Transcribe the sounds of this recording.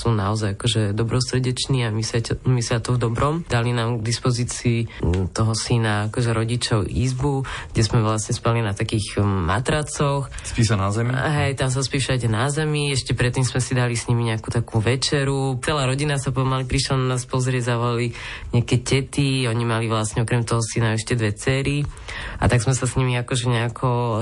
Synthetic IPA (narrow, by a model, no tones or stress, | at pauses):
suːna̰ɔzajakɔʒɛd̪ɔbɾɔsɾɛɟɛt͡ʃniːamisamisiat̪ɔvd̪ɔbɾɔmd̪alinaːmɡɡd̪ispɔziːt͡siːt̪ɔɦɔsinaːkɔʒɛɾɔɟit͡ʃɔʊʔḭzbuɡ̥ɟɛsmɛʋlasɲɛspalinat̪akiːxma̰t̪ɾat͡sɔxspisanazɛmiɦɛjt̪ams̬aspiːʃacɛnazɛmiɛʃcɛpɾɛt̪ːimzmɛsid̪alisɲimiɲɛakuːt̪akuːʋɛt͡ʃɛɾut͡sɛlaːɾɔɟinasapɔmalipɾiʃlananaːspɔzɾɪɛzaʋɔliɲɛakɛcɛt̪iɔɲimaliʋlasɲɛɔkɾɛmt̪ɔɦɔsinaɛʃcɛd̪ʋɛt͡sɛːɾia̰t̪aɡzmɛsasɲimiakɔʒɛɲɛakʰɔ